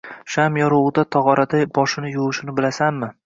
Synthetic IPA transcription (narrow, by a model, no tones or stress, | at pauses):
ʃamjɒɾoʁd̪at̪ʰɒʁɒɾad̪abɒʃɪnɪjoʁɨʃɪnɪbɪlasanmɪ